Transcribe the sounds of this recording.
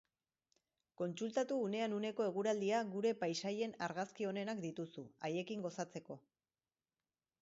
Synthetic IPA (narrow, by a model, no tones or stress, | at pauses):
ko̞nsult̪at̪uːne̞anune̞ko̞e̞ɣ̞uɾald̪iaɣuɾe̞pajsaje̞naɾɣaskio̞ne̞nakd̪it̪usuaje̞kiŋɡo̞sat͡se̞ko̞